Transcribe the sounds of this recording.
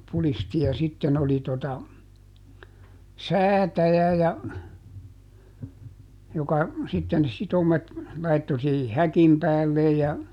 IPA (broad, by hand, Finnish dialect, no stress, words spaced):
pulisti jɑ sitːen oli totɑ sæːtæjæ jɑ jokɑ sitːen sitomet lɑitːo siːhi hækim pæːlːej jɑ